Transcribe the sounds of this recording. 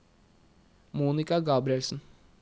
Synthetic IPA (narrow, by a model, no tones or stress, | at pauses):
muːnɪkɑɡɑːbɾɪɛlsn̩